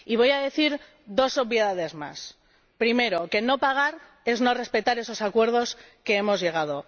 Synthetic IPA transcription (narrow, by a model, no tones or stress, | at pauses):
iβ̞o̞jaðe̞θiɾ | ðo̞so̞βjeðaðe̞zma̰s | pɾime̞ɾo̞ke̞no̞paɣ̞aɾ | e̞zno̞re̞spe̞t̪aɾe̞so̞sakwe̞ɾðoske̞emo̞zʝe̞ɣ̞að̞o̞